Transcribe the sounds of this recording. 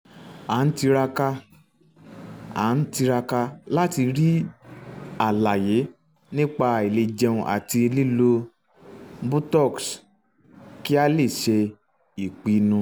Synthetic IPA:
a˨˦n̩˦ti˧ɾa˧ka˧ | a̰˨˦n̩˦ti˧ɾa˧ka˧la˦ti˧ɾi˦ | a˨la˨je˨˦ | nĩ˦k͡pa˧e˨le˧d͡ʒɛ˧ũ˧ʔa̰˨ti˧li˦lo˧ | bu˦tɔ˦˨ks | ki˦a˦le˦˨ʃe˧ | i˨k͡pi˧nũ˧

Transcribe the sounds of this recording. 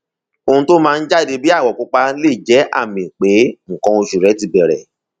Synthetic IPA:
o˧ũ˧to˦mãː˦˧n̩˦d͡ʒa˦˨de˧bi˦a˦˨wɔ˨ku˨˦k͡pa˧le˦˨d͡ʒɛ˨˦a̰˦˨mĩ˨k͡pe˨˦ŋ̩˨kɔ̃˧o˧ʃu˨ɾɛ˨˦ti˧bɛ˨ɾɛ˨

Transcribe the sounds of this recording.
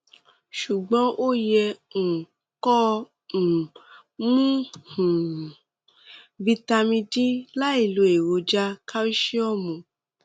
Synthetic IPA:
ʃu˨ɡ͡bɔ̃˨˦ʔo˦jɛ˧ŋ̩˨ | kɔ˦˨ | mũ˦hũ˨ | vi˧ta˧mĩ˧di˦la˦i˦˨lo˧˦e˨wo˧d͡ʒa˦ka˦o˦ʃi˦ɔ˦˨mũ˨

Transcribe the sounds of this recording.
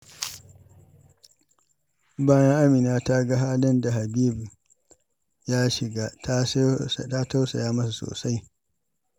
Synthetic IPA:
baː˦jɐ˦ŋʔa˦miː˨naː˦ta˦ɡa˦ɦaː˦lɐ˦nda˨ɦa˨biː˦b | jaː˦ʃɪ˨ɡa˦tta˦ta˦wsa˨jaː˦mɐ˦s̬u˨so̰ː˨sa˦j

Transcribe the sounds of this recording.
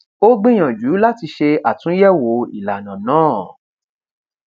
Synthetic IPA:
o˦ɡ͡bĩ˦j̃ã˨d͡ʒu˨˦la˦ti˧ʃe˧a˨tũ˨˦jɛ˦wo˨˦ḭ˨la˨nã˨nãː˦˨

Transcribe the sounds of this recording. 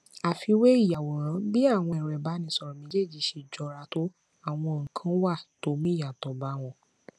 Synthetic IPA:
a˨fi˧we˦i˦˨ja˨wɔ˨ɾ̃ã˨˦bi˦a˦˨w̃ɔ̃˧ĩ˨ɾɛ˨ba˨˦nĩ˧˦sɔ˧ɾɔ˨mĩ˧˦d͡ʒe˦˨d͡ʒi˨ʃe˧˨d͡ʒɔ˧˦ɾa˧to˦ | a˦˨w̃ɔ̃˧o˨kʰã˦wa˦˨to˨˦mĩ˦˨ja˨tɔ˨ba˨˦w̃ɔ̃˧

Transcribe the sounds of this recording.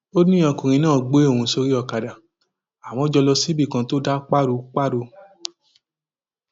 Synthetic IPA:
o˦nũ˦ɔ̃˧˨ku˨ɾ̃ĩ˧˦nãː˦˨ɡ͡be˨˦o˦˨ũ˧so˧ɾi˦ɔ˧˨ka˨da˨ | a˨w̃ɔ̃˧˦d͡ʒɔ˧lɔ˧si˨˦bi˦˨kã˧to˦da˦k͡pa˦ɾu˧˦k͡pa˦ɾo˧

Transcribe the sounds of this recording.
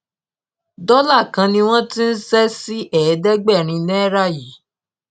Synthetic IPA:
dɔ˦la˦˨kã˧nĩ˧w̃ɔ̃˦ti˦n̩˦sɛ˦si˦ʔɛ˨˦dɛ˦ɡ͡bɛ˦˨ɾ̃ĩ˧nɛ̃˦ɾa˦˨ji˨˦

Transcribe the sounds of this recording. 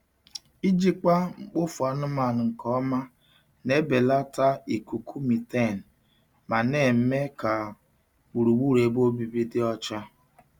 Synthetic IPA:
i˦d͡ʒi˦k͡pa˦ŋ͡m̩˨k͡pʊ˦fʊ˨a˨nʊ˦ma˨n˨ŋ̩˨kɔ˦ma˦ | ne˦be˨la˦ta˦i˨ku˨kʰu˦mi˨te˦˨n̩˨ | ma˨ne˨m̩˦me˦ka˨ | u˨ɾu˨wu˦˨ɾe˨bo˦bi˨bi˦dɪ˦ɔ˦t͡ʃa˦

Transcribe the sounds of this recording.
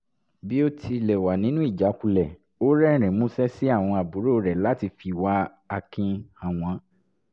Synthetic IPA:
bi˦o˦tʰi˧˨lɛ˨wa˨nĩ˨˦nũ˦i˦˨d͡ʒa˨˦ku˧lɛ˨ | o˦ɾɛ˦˨ɾ̃ɛ̃˨mũ˦sɛ˦si˦a˦˨w̃ɔ̃˧a˨bu˨˦ɾo˦˨ɾɛ˨la˨˦ti˧fi˦˨wa˨˦ | a˧kĩ˧ã˨w̃ã˨˦

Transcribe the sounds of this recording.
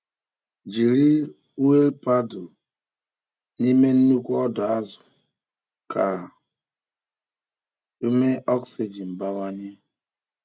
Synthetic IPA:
d͡ʒi˨ɾi˦ | u˦e˦lpa˦dʊ˨ | ni˦me˦n̩˦nu˦kʷɔ˦dɔ˨a˦zʊ̥˨ | kʰa˨ | u˦me˦ɔ˦ksi˨d͡ʒi˨m̩˨ba˨wa˦ɲe˦

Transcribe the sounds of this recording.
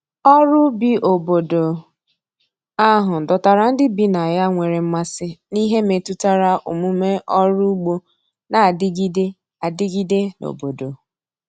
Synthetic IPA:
ɔ˦ɾʊ˦bi˨ʔo˨bo˨do˨ | a˦ɦʊ˨dɔ˨ta˨ɾa˨n̩˦dɪ˦bi˦na˨ja˦ŋʷe˨ɾe˨m̩˦ma˦sɪ˦ni˦ɦe˦me˨tu˦ta˦ɾa˦ʔṵ˨mu˦me˦ʔɔ˦ɾu˦ɡ͡bo˦ | na˨dɪ˦ɡi˦de˦ | a˨dɪ˦ɡi˦de˦no̰˨bo˨do˨

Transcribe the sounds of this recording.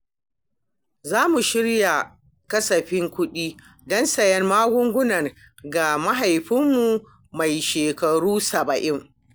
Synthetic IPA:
zaː˦mu˨ʃɪ˦ɽja˨ | kɐ˦sɐ˨ɸɪ˦ŋkʷʊ˦ɗiː˦ | dɔ˦nsɐ˨jɛ˦rmaː˦ɡʷʊ˦ŋɡʷʊ˦nɐ˨r | ɡa˨ma˦ɦa˨jɸɪ˦mːu˨ | ma˨jʃeː˨kɐ˨ɽuː˦sɐ˨bɐ˨ʔɪ˦ŋ

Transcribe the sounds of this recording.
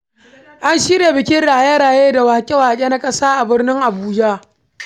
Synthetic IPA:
ʔa˦nʃi˦ɽeː˨bɪ˨kʲɪ˦ɽaː˨je˦ɽaː˨jeː˦da˨wa˨ha˨kʲʼe˦wa˨ha˨kʲʼe˦na˦kʼɐ˦saː˦ʔa˨bɪ˦rnɪ˦ŋʔa˨buː˦d͡ʒa˦

